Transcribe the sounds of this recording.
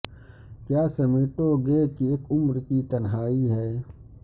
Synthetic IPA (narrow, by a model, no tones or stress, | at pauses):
kjaːsɐmeːʈ̪oɡekieːkʊmɾkit̪ɐnɦaːiɦɛː